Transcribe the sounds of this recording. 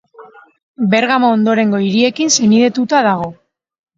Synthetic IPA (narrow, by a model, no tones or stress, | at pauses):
be̞ɾɣamaond̪o̞ɾe̞ŋɡo̞iɾie̞kinseniðe̞t̪ut̪aðaɣ̞o̞